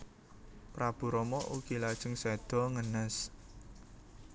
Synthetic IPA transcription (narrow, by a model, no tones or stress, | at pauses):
pɾab̥ṳɾɔmɔʔukilad̥ʒ̥əŋsɛd̪̥ɔ̤ŋənəs